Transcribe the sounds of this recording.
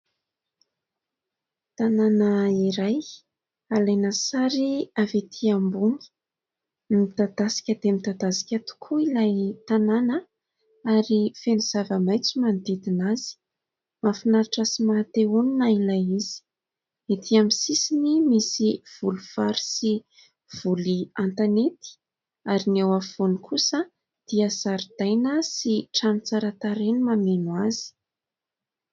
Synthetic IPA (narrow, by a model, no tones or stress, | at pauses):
t̪ananəiɾaj | alajnəsaɾiavet̪ʰiambuni̥ | mit̪ad̪asi̥kʲəd̪emit̪ad̪asi̥kʲat̪u̥kʰuilajt̪ananə | aɾifenuz̥avəmajt͡simand̪id̪inazi̥ | mafinaɾaʈ͡ʂasimat̪euninailajiz̥i̥ | et̪ʰiamisisinimisiv̥uluvaɾi̥si | v̥uliant̪anet̪i̥ | aɾinewav̥onikʰusə | d̪̥iəzaɾid̪ajnəsiʈ͡ʂanit͡saɾət̪aɾenimamenwazi̥